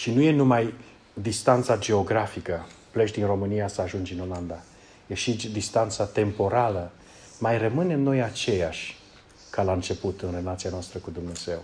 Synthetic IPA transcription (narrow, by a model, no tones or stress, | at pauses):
ʃinuje̞numaj | d̪ist̪ant̪sad͡ʒe̞o̞ɡɾafikəplet͡ʃʲd̪inro̞mɨnijasəaʒund͡ʒɨno̞land̪a | jeʃid̪ist̪ant̪sat̪e̞mpo̞ɾalə | majrəmɨne̞mno̞jat͡ʃe̞jaʃʲ | kalaɨnt͡ʃe̞put̪ɨnre̞lat̪sianoast̪ɾəkud̪umne̞z̥e̞w